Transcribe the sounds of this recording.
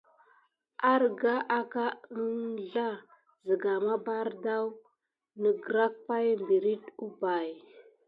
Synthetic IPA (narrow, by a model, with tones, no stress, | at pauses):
a˦ɾɡa˦ʔa˦ka˦ə˦nɮa˦ | zə˨ɡa˨ma˦ba˦ɾda˦w | nə˨ɡɾa˦k̚pa˦jmbi˨ɾi˦tu˦ba˨j